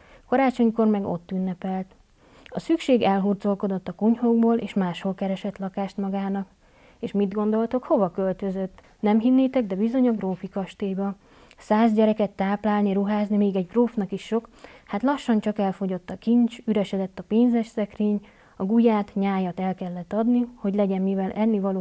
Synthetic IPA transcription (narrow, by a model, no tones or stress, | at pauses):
kɒɾaːt͡ʃo̞ɲko̞rmɛɡo̞̰t̪ːynːɛpɛlt̪ | ɒsykʃeːɡɛlɦurd̪zo̞lko̞d̪o̞t̪ːɒkuɲhoɡboːlʔḛːʃmaːʃho̞lkɛɾɛʃɛt̪lɒkaːʃt̪mɒɡaːnɒk | eːʃmid̪ɡo̞nd̪o̞lt̪o̞kho̞vɒkølt̪ø̞zøt̪ː | nɛmɦinːeːt̪ɛɡd̪ɛbizo̞ɲɒɡroːfikɒʃt̪eːbɒ | saːzɟɛɾɛkɛt̪ːaːplaːlniɾuɦaːznimeːɡɛɟɡroːfnɒkiʃːo̞khat̪lɒʃːɒnt͡ʃɒkɛlfo̞ɟo̞t̪ːɒkint͡ʃyɾɛʃɛd̪ɛt̪ːɒpeːnzɛʃsɛkreːɲ | ɒɡujaːt̪ɲaːjɒt̪ɛlkɛlːɛt̪ːɒd̪niho̞ɟlɛɟɛmmivɛlʔɛnːivɒloː